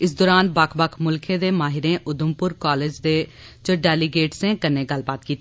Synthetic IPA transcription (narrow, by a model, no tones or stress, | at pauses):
ɪs̬d̪oːɾaːnbəkʰbəkʰmʊlkʰẽːd̪eːmaːɦɪɾẽːʔʊd̪ʊmpʊɾkaːleːd͡ʒd̪eː | d͡ʒoːɖɛːliɡeːʈsẽːkənːẽːɡəlbaːt̪̚kiːt̪